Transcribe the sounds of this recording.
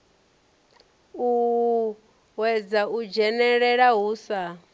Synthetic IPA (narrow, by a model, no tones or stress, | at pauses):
u | wɛd͡zaʔud͡ʒɛnɛɺɛɺaɦuːsa